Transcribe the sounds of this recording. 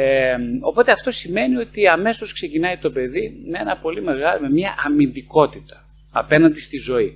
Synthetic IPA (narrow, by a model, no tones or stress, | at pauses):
eo̞po̞t̪eɐft̪o̞sime̞nio̞t̪iɐme̞so̞skse̞cinɐit̪o̞pe̞ðimee̞nɐpo̞lime̞ɣɐlme̞mɲɐʔɐmind̪iko̞t̪it̪ɐ̥ | ɐpe̞nɐnd̪ist̪izo̞i